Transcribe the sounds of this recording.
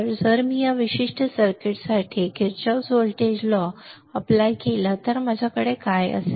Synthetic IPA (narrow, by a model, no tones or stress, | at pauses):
əɾd͡zəɾmijaʋiɕiʂʈʰəsəɾkeʈsaʈʰikeɾt͡ɕasolʈed͡ʑlɔ | əplajkelat̪əɾmad͡ʑʱakəɽekajə̰se